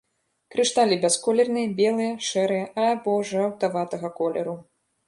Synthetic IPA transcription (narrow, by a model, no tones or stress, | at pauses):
kɾɨʂt̪alʲibʲaskɔlʲɛrnɨjɐbʲɛlˠɨjɐʂɛɾɨjɐʔɐabɔʐɛɐwt̪avat̪ɐɣɐkɔlʲɛɾu